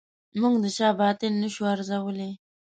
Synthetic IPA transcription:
muɡd̪ət͡ʃɑbɑt̪ɪnːəʃuaɾzawəle

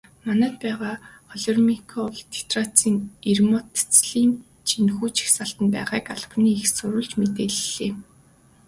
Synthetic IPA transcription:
manæːt̪̚pæːʁaːχɔɮɔrmikʰɔɮt̪ʰe̥t̪rat͡siːŋirmɔt̪t͡sɮiːn | t͡ɕʰinxuːt͡ɕi̥xsaɬt̪ə̆npæ̰ːʁaːkaɮ̥̆niːixsʊɾʊ̆ːɮt͡ɕmet̪eːɮɮeː

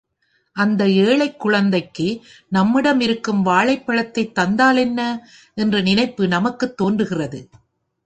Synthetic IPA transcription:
ʔɐnd̪ɐeːɭɐɪkːʊɻɐnd̪ɐɪkːɯ | nɐmːɪɽɐmɪɾɯkːɯmʋaːɭɐɪpːɐɭɐt̪ːɐɪt̪ːɐnd̪aːlɛnːɐ | ʔɛndrɐnɪnɐɪpːɯnɐmɐkːɯt̪ːoːndrɯɣɪrɐðɯ

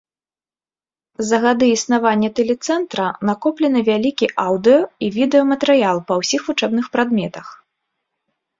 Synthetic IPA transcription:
zɐɣad̪ɨisnavanʲːɐt̪ɛlʲɛt̪sɛnt̪ɾɐnakɔplʲɛnɨvʲalʲikʲiʔawd̪ɨjɔivʲid̪ɛjɔmɐt̪ɛɾɨjalˠpɐwsʲixvut͡ʂɛbnɨxpɾad̪mʲɛt̪ɐx

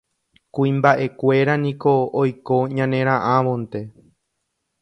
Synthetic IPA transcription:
kuĩmbaʔe̞kʷe̞ɾanĩko̞ːjko̞ɲãnẽ̞ɾ̃ãʔãʋõ̞nt̪e̞

